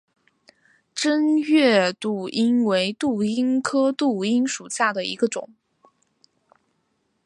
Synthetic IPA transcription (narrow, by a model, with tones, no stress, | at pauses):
ʈ͡ʂə˥nɥɛ˥˧t̪u˥˩i˥nwe˧˥ɪt̪u˥˩i˥nkʰɤ˥t̪u˥˩i˥nʂu˨˩ɕja˥˩d̪ə˩ḭ˧˥ɡə˧ʈ͡ʂʊ˨˩˦ŋ